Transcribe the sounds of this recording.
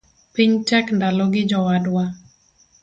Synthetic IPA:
piɲtɛkndalɔɡɪd͡ʒɔwadwa

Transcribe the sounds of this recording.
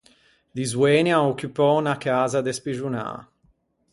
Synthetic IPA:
d̪izwɛnjaokːupɔnakaːzad̪espiʒuna̰

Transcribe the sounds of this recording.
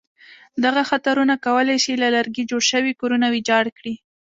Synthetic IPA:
d̪aɣaxat̪aɾunakawəlajsilalaɾɡid͡ʒoɽʃəwikoɾunawid͡ʒɑɽkɽi

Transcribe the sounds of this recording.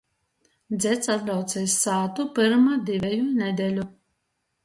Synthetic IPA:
d̪zʲɛt̪sat̪̚lʲawt̪sɛjsːaːt̪upɨɾmad̪ivʲɛjunʲɛd̪ʲɛlʲu

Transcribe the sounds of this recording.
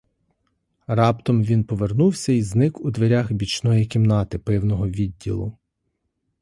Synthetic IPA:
rɑpt̪ɔmʋʲinpɔʋernuwsʲɐiznɪkud̪ʋeɾʲaxbʲit͡ʃnɔjikʲimnɑt̪ɪpɪwnɔɦɔʋʲidʲːilˠʊ̰

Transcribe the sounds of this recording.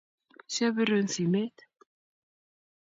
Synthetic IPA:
sjavʏɾʏʏnθimɪð

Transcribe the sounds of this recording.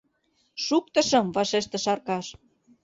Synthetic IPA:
ʃuk̚t̪ɤ̆ʃɤ̆mvɑʃeʃt̪ĕʃɑrkɑʃ

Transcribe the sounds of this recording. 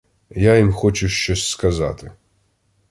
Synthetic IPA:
jajimxɔt͡ʃʊʃt͡ʃɔsʲskɐza̰t̪ɪ

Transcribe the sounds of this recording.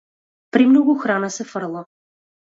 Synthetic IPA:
pɾimnoɡʊxɾanəsɛfəɾlˠə

